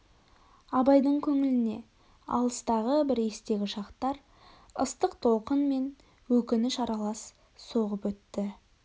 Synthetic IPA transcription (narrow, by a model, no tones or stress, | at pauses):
ɑbɑjd̪əɴkʲʰɵŋɪlɪne̞̰ | ɑ̰lˠəst̪ɑʁəbɪɾe̞st̪e̞ɡʲɪʃɑqt̪ɑɾ | əst̪əqt̪ʰo̞lˠqənme̞n | wɵkʲɪnɪʃɑɾɑlˠɑs | so̞ʁəpwɵt̪ːɪ